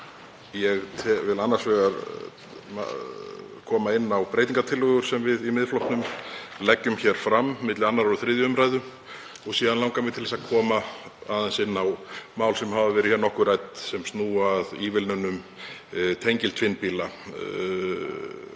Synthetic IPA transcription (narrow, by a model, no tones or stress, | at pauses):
jɛɣt̪ʰɛvɪlanːaɾ̥svɛːɣaɾ | a̰ | kʰɔːmaɪnːawpɾejt̪̬iŋkat̪ʰɪlːœɣʏɾ̥sɛmvɪðimɪðflɔwht̪nʏm | lɛcːʏmçɛɾ̥fɾamːɪt̪lɪanːaɾɔθɾɪːðjʏʏmɾajðʏ | ɔɣsiːðanawŋkamɪt̪ʰɪlɛsakʰɔːmaaðansɪnːawmaːwlsɛmhaːvavɛːɾɪçɛɾnɔhkʏɾajt̪sɛmsnuːaðivɪlnʏnʏm | t̪ʰejɲcɪlt̪ʰfɪnpiːla